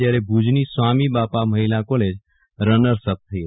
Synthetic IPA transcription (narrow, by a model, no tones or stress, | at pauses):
jaɾebʱud͡ʒnisʋamibapaməɦilakoled͡ʒ | ɾənəɾsəb̚t̪ʰəi